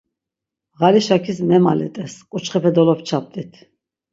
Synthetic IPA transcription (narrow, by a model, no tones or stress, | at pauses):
ʁaliʃakʰismɛmalɛ̰t̪ʼɛskʼut͡ʃχɛpʰɛd̪ɔlɔpt͡ʃʰap̚t̪ʼit̪ʰ